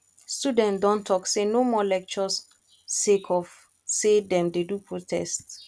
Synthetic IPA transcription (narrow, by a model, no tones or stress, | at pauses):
studɛ̃ntdɔ̃ntʰɔksenomɔlɛk̚t͡ʃɔsː | ekʰɔf | sedɛ̃mdedupɹotʰɛ̰st